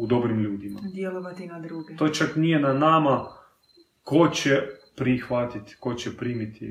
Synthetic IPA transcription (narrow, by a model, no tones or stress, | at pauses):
ud̪obɾimʎuːd̪ima̰d̪jelˠoʋat̪inad̪ɾuɡt̪ot͡ʃaknijɛnanaːma | kot͡ʃɛpɾixʋat̪it̪kot͡ʃɛpɾiːmit̪ʰḭ